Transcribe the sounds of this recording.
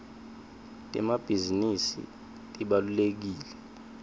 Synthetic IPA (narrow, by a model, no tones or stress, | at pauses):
tʼɛ̰mab̥ʱizinisḭ | tʼiɓalulek̬iːlɛ